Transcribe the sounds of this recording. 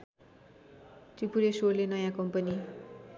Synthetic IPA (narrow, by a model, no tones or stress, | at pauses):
t͡sipuɾesorlenʌjãkʌmpʌni